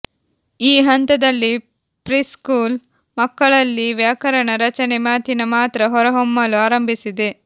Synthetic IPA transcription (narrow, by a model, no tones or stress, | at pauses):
iːɦɐnt̪ɐd̪ɐlːi | pɾiːskuːl | mɐkːɐɭɐlːiʋjaːkɐɾɐɳɐɾɐt͡ʃɐnemaːt̪inɐmaːt̪ɾɐɦɔɾɐɦɔmːɐluaːɾɐmbʱisid̪e